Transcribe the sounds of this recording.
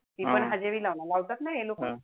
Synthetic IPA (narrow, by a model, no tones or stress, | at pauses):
t̪iːpəɳɦad͡ʑeʋiːlaʋnalaʋt̪at̪najelokə